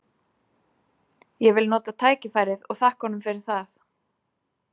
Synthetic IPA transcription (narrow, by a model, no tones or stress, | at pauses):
jɛɣvɪlnɔːt̪at̪ʰaːjcɪfaːjɾɪðɔɣθahkɔnʏmfɪɾɪɾ̥θaθ